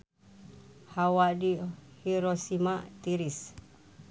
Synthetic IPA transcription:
hawaʔdihiɾosimaʔt̪iɾis

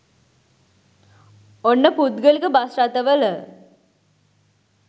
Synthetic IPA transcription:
onːəpud̪ɡəlikəbasɾat̪əʋələ

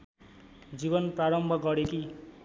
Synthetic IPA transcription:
d͡zibʌnpraɾʌmbʱʌɡʌɾeki

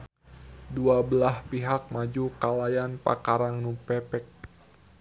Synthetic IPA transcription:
duabəlahpiɦak̚mad͡ʒukalajanpa̰kaɾaŋnupɛpɛk̚

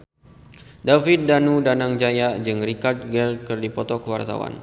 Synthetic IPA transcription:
dafit̪̚danudanaŋd͡ʒajad͡ʒɨŋrikart̪̚ɡɛlkərdipɔt̪ɔkəwa̰rt̪a̰wa̰n

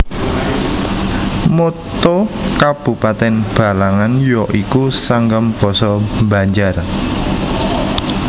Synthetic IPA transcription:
mot̪okab̥ṳpat̪ɛnb̥a̤laŋanjɔʔikusaŋɡəmb̥ɔ̤sɔmba̤ɲd͡ʒar

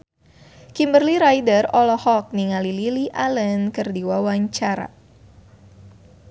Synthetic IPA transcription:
kimbərliɾajdərɔlɔhɔk̚niŋalililiʔalənkərdiwawaɲt͡ʃaɾa̰

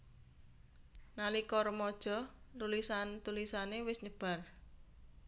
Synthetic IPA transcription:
nalikɔɾmɔd̥ʒ̥ɔ̤ | lulisant̪ulisanewɪsɲəb̥a̤r

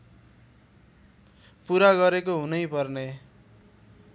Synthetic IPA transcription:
puɾaɡʌɾekoɦunʌjpʌrne

